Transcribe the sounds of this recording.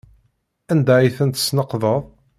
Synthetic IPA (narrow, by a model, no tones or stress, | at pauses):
ænd̪æʕiθənt̪ə̥snəqðˤəðˤ